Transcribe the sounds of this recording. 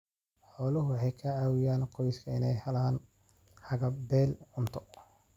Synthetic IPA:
ħɔːlʊɦʊwɑħɑjkʰɐʕaːwɪjaːnqɔjskʰɐɪnɛjhɐlɐɐn | hɐɣɐbɛːlʕʊnt̪ʰɔ̥

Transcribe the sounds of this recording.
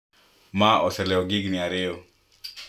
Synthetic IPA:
maɔsɛlɛɔɡɪɡnɪaɾɪo

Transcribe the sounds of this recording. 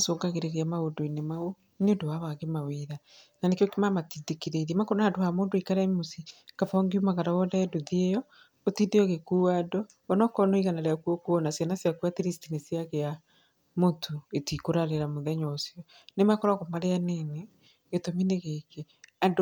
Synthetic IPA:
asoːɡaɣeɾeɾiamaodoinemao | neondowaβaɣemaweða | nanekjokemamatidekeɾeɾamakoɾɔnaːdohamoːndoikaɾaimosikafɔŋɡiumaɣaɾawɔðɛɛdoðiejɔ | otideoɣekuːadɔː | nɔkɔnoiɣanaɾeakuokuɔnasjanasjakuateɾisitinesiaɣea | motʰoetikoɾaɾeɾamoðɛɲɔsjɔ | nemakoɾaɣomaɾeanene | ɣetomineɣeke | ado

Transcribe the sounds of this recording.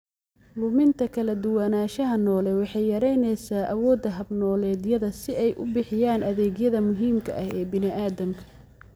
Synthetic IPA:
lʊmɪnt̪ʰɐkʰɐlɐd̪ʊwɑnaːʃɐɦɐnɔːlɛwɑħɑjjɐɾɛjnɛjsaːʔɐwɔːd̪ɐɦɐbnɔːlɛːd̪jɐðɐsɪɛjʔʊ̰bɪħɪjaːnʔɐðɛːɣjɐðɐmʊɦiːmkʰɐ̰ʔɐhɛːbɪnɪʔaːðɐmkʰɐ̥

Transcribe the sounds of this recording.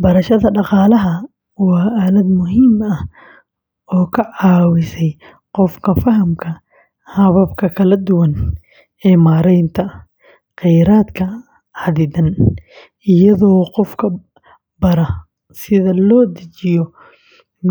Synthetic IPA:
bɐɾɐʃɐðɐɖɑqɑːlɐɦɐ | wɑːʔaːlɐd̪mʊɦiːmɐh | ɔːkʰɐʕɑːwɪsɛj | qɔfkʰɐfɐɦɐmkʰɐ | hɐβɐbkʰɐkʰɐlɐd̪ʊwɐn | ɛːmaːɾɛjnt̪ʰɐ | qɛjɾaːd̪kʰɐ | ʕɑðɪðɐn | ɪjɐðɔːqɔfkʰɐ | bɐɾɐ | sɪðɐlɔːd̪ɐt͡ʃɪjɔ

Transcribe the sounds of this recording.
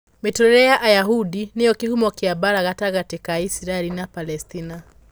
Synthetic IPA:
mitɔɛɾɛjaʔajaɦuɗinijɔkihumɔkiabaɾaɣataɣatikaisiɾaɛlinapalɛstina

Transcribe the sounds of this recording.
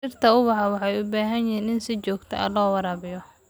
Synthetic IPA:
ʃɪrt̪ʰɐʊwɑħɑwɑħɑjʊbaːɦɐnjɪɦiːnɪnsɪt͡ʃɔːɡt̪ʰɛ̰ʔɐ̰lɔːwɑɾaːβɪjɔ

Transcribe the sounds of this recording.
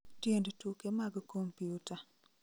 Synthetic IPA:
tjendtukemaɡkompiuta

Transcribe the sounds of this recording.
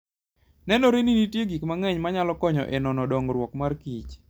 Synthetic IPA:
nɛnoɾeninitjeɡikmaŋɛɲmaɲalɔkɔɲɔ̰ʔenɔnɔdɔŋɾwɔkmarkit͡ʃ

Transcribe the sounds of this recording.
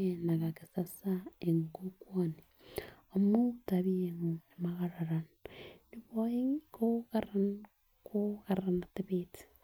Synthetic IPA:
enakakesasaeŋɡokwoni | omuutaβieŋoemaɣaɾaɾan | niβoiŋkokaɾan | kokaɾanateβeti̥

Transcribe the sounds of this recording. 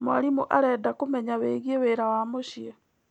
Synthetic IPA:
moa̰ɾimuʔaɾɛːdakomɛɲaweːɣieweːɾawamoɕjɛ

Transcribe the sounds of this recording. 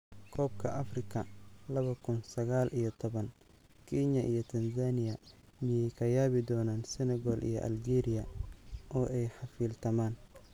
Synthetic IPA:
kʰɔːb̚kʰɐʔɐfrɪkʰɐlɐβɐkʰʊnsɐɣaːlʔijɔt̪ʰɔβɐn | kʰɛnɐʔijɔt̪ʰɐnzaːnɪjɐ | mɪjɛjkʰɐjaːβɪd̪ɔːnaːnsɪnɛɣɔːlʔḭjɔ̰ʔɐ̰ld͡ʒɛːɾɪjɐʔɔːʔɛjħɑfiːlt̪ʰɐmaːn

